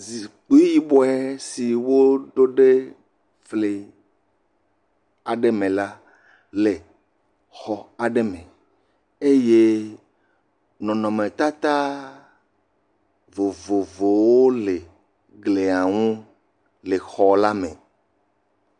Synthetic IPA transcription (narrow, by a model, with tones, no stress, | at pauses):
zi˨k͡pu˦ji˦bɔ˦ɛ˦si˨wo˦ɖo˦ɖe˦ | fle˨ | a˨ɖe˦mẽ˨la˦ | le˨ | xɔ˦a˨ɖe˦mẽ˨ | e˦je˦ | nɔ̃˨nɔ̃˨mẽ˨t̪a˦t̪a˦ | vo˨vo˨vo˨wo˦le˨ | ɡle˨a˨ŋũ˦ | le˨xɔ˨la˦mḛ̃˨